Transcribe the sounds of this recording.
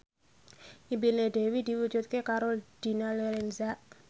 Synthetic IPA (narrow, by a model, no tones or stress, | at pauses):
ʔibined̪̥ɛ̤wid̪̥i̤wu̥d͡ʒṳt̪̚kekaɾold̪̥i̤naleɾɛnzaʔ